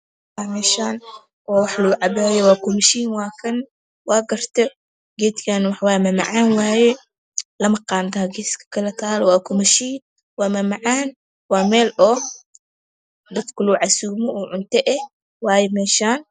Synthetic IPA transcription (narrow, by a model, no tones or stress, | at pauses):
waːmɛːʃaːn | waːwɑħlɐɡʊʕɑbaːjɛwaːkʊmɐʃiːnwaːkʰɐn | waːɡɐrt̪ʰɐ | ɡɛt̪kʰaːnwɑħwaːjmɐmɐ̰ʕaːnwaːjɛ | lɐmɐqɑːnt̪ʰɐɐɡɛːskʰɐ̥kʰɐlɐt̪ʰaːlɔwaːkʰʊmɐʃiːn | waːmɐmɐʕaːn | waːmɛːlɔː | d̪ɐt̪kʰʊluʕasuɡmɔʔuːʕʊnt̪ɛʔɛ | waːjɛmɛːʃaːn